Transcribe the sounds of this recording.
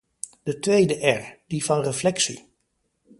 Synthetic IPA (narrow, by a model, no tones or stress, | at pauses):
d̥ətʋejdəʔɛɹd̥ivɑnrəflɛksḭ